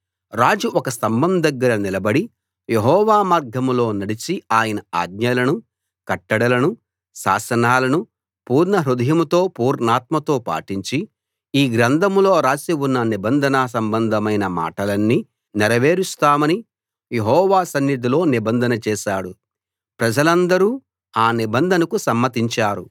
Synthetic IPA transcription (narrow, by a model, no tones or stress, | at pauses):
ɾaːd͡ʒuʔɔkɐsɐmbɐmd̪ɐɡːɐɾɐnilɐbɐɽi | jeɦɔːʋaːmaːɾɡʱɐmlo̞ːnɐɽit͡ʃiaːjɐnɐa̰ːɡ̚ɲɐlɐnu | kɐʈːɐɽɐlɐnu | ʃa̰ːsɐnaːlɐnu | puːɾnɐɦɾud̪ʱɐjɐmut̪o̞ːpuːɾnaːt̪mɐt̪o̞ːpa̰ːʈiɲt͡ʃi | iːɡɾɐnd̪ʱɐmlo̞ːɾaːsiwunːɐnibɐnd̪ʱɐnɐs̬ɐmbɐnd̪ʱɐmɐjnɐma̰ːʈɐlɐnːi | nɛɾɐʋe̞ːɾust̪aːmɐni | jeɦɔːʋaːsɐnjid̪ilo̞ːnibɐnd̪ʱɐnɐt͡ʃɛːʃaːɽu | pɾɐd͡ʒɐlɐnd̪ɐɾuː | aːnibɐnd̪ʱɐnɐkusɐmːɐt̪iɲt͡ʃaːɾu